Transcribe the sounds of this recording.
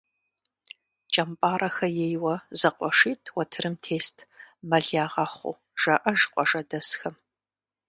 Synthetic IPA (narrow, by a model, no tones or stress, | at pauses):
t͡ʃʼɐmpʼaːrʔɐxɐjejwɐzɐqʷʼɔʂiːtʰwɐtʰɨɾɨmtʰeːstʰmɐɮaːʁɑχʷʊ̰ | ʒ̥ɐʔɐʒqʷʼɔʒɐdɐsxɐm